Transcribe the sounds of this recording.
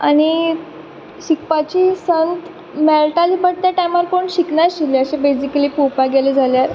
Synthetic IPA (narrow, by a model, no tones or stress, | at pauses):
aɽ̃i | ɕik̚pat͡ɕiːsənt̪ | mɛlʈalipəɽ̚t̪jaʈajmaɾkoɳɕiknaɕileəɕẽbesikəliːpupaɡeled͡zʱaljaɾ